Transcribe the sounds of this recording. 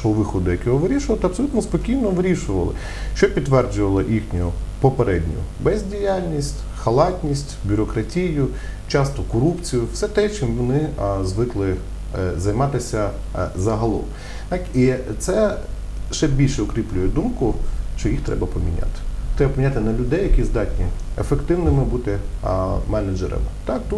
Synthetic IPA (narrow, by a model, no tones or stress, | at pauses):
ɔɦɔʋɪxɔd̪ʊjɐkʲɔɦɔʋɪɾʲiʃʊʋɐlˠt̪ɐbsɔlʲut̪nɔspɔkʲijnɔʋɾʲiʃʊʋɐ̰lˠɪ̰ | ʃt͡ʃɔpʲid̪ːʋɛrd͡ʒʊʋɐlˠɔʔixnʲʊʊpɔpeɾɛdʲnʲʊ̰jʊ̰bɛzʲdʲijalʲnʲisʲtʲ | xɐlˠɑtʲnʲisʲtʲbʲʊɾɔkɾɐtʲijʊ | t͡ʃɑst̪ɔkɔɾupt͡sʲijʊwsɛt̪ɛt͡ʃɪmʋɔnɪzʋɪklˠɪ | zɐjmɑt̪ɪsʲɐ | zɐɦɐlˠɔ̰m | t̪ɑkit̪sɛ | ʃt͡ʃɛbʲilʲʃɛʊkɾʲiplʲʊjɛd̪umkʊʃt͡ʃɔjixt̪ɾɛbɐpɔmʲinʲa̰t̪ɪ̥t̪ɾɛbɐpɔminʲat̪ɪnɐlʲʊd̪ɛjɐkʲizd̪ɑtʲnʲiḛfekt̪ɪwnɪmɪbut̪ɪ | mɛnɐd͡ʒɛ̰ɾɐ̰mt̪ɑkt̪u